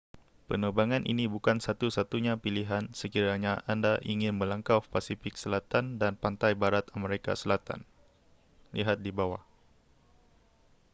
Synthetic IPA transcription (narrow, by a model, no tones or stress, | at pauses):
pənəbaŋanʔḭnibukansat̪usat̪uɲapiliɦansəkiɾaɲaʔandaʔiŋɪnməlaŋkafpasifɪk̚səlat̪andanpant̪ajbaɾat̪ameɾeka̰səlat̪a̰n | lḭɦat̪̚dibawa